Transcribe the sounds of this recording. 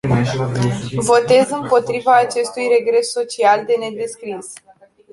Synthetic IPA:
vo̞t̪e̞zɨmpo̞t̪ɾivaːt͡ʃe̞st̪ujre̞ɡɾe̞sːo̞t͡ʃiald̪e̞ne̞d̪e̞skɾis

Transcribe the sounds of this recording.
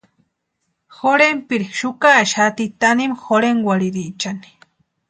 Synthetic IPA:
xoɾempiɾiʃʊkaʃat̪it̪animxoɾeŋwaɾiɾit͡ʃani̥

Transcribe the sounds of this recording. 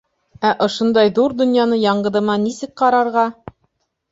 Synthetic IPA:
æʔŏʃŏnd̪ɑjðuɾd̪ɵ̆njɑnɤjɑɴɢɤ̆ðɤ̆mɑnisɘk̚qɑɾɑɾʁɑ

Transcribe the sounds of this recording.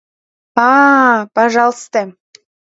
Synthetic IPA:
ɑpɑʒɑlˠst̪ə

